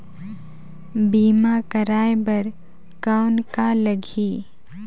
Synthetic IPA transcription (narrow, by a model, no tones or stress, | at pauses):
biːmakəɾaːjbɐɾ | kaːʊnkaləɡʱiː